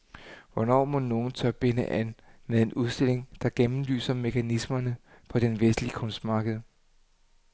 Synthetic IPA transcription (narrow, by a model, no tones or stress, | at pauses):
ʋɒnɒ̰ːmo̽no̝ːn̩t͡sʰœb̥e̝nəʔænmeðˠe̝nʔuð̞ˠsd̥e̝l̰eŋd̥ɑ̈ɡ̥emm̩ly̰ːsɐme̝kʰænismɐnə | pʰɒ̽d̥enʋesd̥liəkʰɔ̽nsd̥mɑ̈ːɡ̥əð̞̩ˠ